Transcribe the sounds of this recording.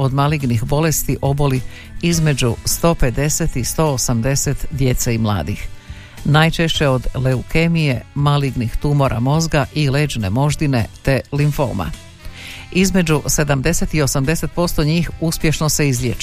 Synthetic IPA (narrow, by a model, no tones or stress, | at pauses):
o̞d̪maliɡnixbo̞le̞st̪iʔo̞bo̞li | izme̞d͡ʑust̪o̞ːpe̞d̪e̞set̪ist̪o̞osamd̪e̞set̪d̪je̞t̪saimlˠa̰ːd̪ix | najt͡ʃeʃt͡ɕe̞o̞d̪le̞uke̞mije̞maliɡnixt̪umo̞ɾʔa̰mo̞zɡaʔileːd͡ʒne̞mo̞ʒd̪ine̞t̪e̞liɱfo̰ma̰ | izme̞d͡ʑuse̞d̪amd̪e̞set̪io̞samd̪e̞se̞t̪̚po̞st̪o̞ɲiːxuspje̞ʃno̞se̞izlʲjḛt͡ʃ